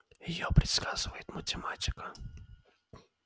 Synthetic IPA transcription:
jɪjopɾʲɪt̪skazɨvəjɪt̪mətʲɪmatʲɪ̥kə

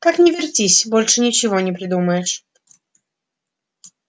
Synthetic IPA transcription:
k̪aknʲɛvʲɛrtʲisʲbɔlʲʂɨnʲit͡ɕivɔnʲɛpɾɨd̪umajɛʂ

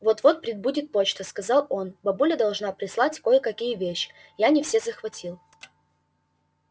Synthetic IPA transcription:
vot̪vo̞t̪̚pɾʲɪd̪̚budʲɪt̪̚po̞t͡ɕt̪əskɐzɑlˠo̞nbɐbulʲəd̪ɐlˠʐnapɾʲɪslˠatʲko̞jəkɐkʲijəvʲeɕːɪ̥ | janʲɪfsʲezəxvɐtʲilˠ

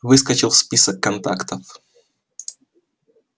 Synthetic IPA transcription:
vɨskɐt͡ɕɪlˠspʲisəkːɐnt̪a̰kt̪əf

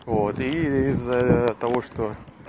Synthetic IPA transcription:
vot̪iizːət̪ɐvo̞ʂt̪o

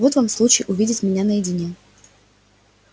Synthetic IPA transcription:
vot̪vamslˠut͡ɕɪjʔʊvʲidʲɪtʲmʲɪnʲanəjɪdʲɪnʲe

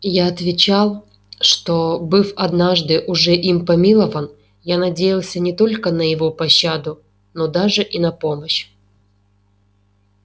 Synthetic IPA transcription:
jaɐt̪vʲɪt͡ɕalˠ | ʂt̪obɨfɐd̪naʐd̪ɨʔʊʐɛʔimpɐmʲilˠəvən | janɐdʲejɪlˠsʲənʲɪt̪o̞lʲkənəjɪvo̞pɐɕːad̪ʊ | nod̪aʐɨʔinɐpo̞məɕ

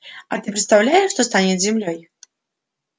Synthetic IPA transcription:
at̪ɨpɾʲɨt̪st̪awlʲajɛʂːt̪ɔst̪anʲɛzʲɛmlʲɔj

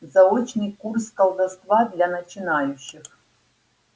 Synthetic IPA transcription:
zɐɔt͡ʃnɨjkurskɐlˠd̪ɐst̪vad̪lʲanɐt͡ʃɪnajʊɕːɪx

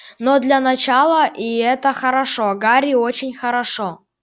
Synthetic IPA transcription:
nod̪lʲɐnɐt͡ɕalˠəʔiɛt̪əxəɾɐʂoɡaɾʲɪot͡ɕɪnʲxəɾɐʂo

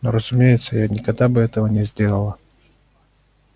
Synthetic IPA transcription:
noɾəzʊmʲejɪt̪səjanʲɪkɐɡd̪abɨɛt̪əvənʲɪzʲd̪ʲe̞lˠəlˠə

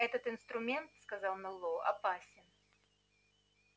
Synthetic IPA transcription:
ɛt̪ət̪ɨnst̪ɾʊmʲent̪skɐzɑlˠmʲɛlˠːoʔɐ̰pasʲɪn

